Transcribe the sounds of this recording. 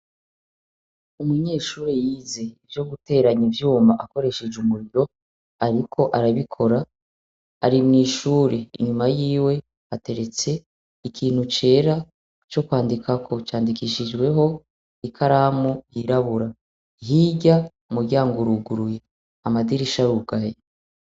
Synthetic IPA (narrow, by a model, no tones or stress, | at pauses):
umŋiɲe̞ːʃuːɾejiːze̞ivjo̞ɡute̞ːɾaɲivjuːmbaʔako̞ɾe̞ʃe̞d͡ʒumuɾiɾo̞ | aɾikʰo̞ʔaɾaβikʰo̞ɾa | aɾimŋiːʃuːɾeḭɲumajiːwe̞ | ate̞ɾe̞t͡se̞ | ikiːn̥hut͡ʃe̞ːɾa | t͡ʃo̞kwaːndikʰakʰo̞t͡ʃaːndikiʃid͡ʒɡwe̞ɦo̞ | ikʰaɾamujiɾaβuɾa | hiɟa | umuɾɟaːŋɡoɾuɡuɾuje | amadiɾiʃaɾuɡaje